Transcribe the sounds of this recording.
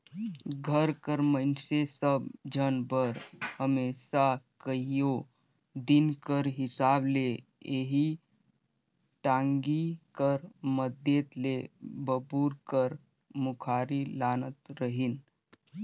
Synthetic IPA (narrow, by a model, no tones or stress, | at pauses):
ɡʱəɾkəɾmənsesəbd͡ʒənbəɾhəmesakəijo | d̪inkəɾɦɪsaːble | eɦi | ʈãːŋɡikəɾməd̪jet̪lebəbuɾkəɾ | mukʰaːɾilaːnət̪ɾəɦin